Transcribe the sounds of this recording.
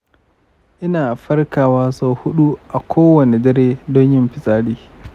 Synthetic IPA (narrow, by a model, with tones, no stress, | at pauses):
ʔɪ˦naː˨ɸɐ˦rkaː˨waː˦so˦˨hʊ˦ɗu˦ʔa˨kʷʰoː˦wɐ˨ne˨dɐ˦ɾeː˦dɔ˦ɲjɪ˦mɸɪ˨sʼaː˦ɽiː˨